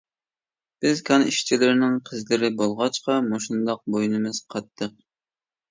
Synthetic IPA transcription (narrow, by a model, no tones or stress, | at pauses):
b̥ɪzkʰɑniʃt͡ʃʰilɪɾɪnɪŋqʰəzlɪɾɪbolˠʁɑt͡ʃqɑmoʃund̪ɑq̚bojnɨmɨz̥qʰɑt̪ʰːəq̚